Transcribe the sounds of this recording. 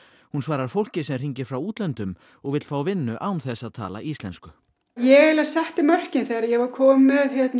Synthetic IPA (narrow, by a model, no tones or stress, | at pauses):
hunsvaːɾaɾ̥fowl̥cɪsɛmr̥iɲcɪɾ̥fɾawuːt̪lɛnt̪ʏm | ɔɣvɪt̪l̥faːwvɪnːʏʔaːwnθɛsːaðt̪ʰa̰ːla̰ʔist̪lɛnskʏ | jɛɣɪlaðsɛht̪ɪmœr̥cɪnθejɾaðjɛɣvaɾkʰɔːmɛðçjɛt̪n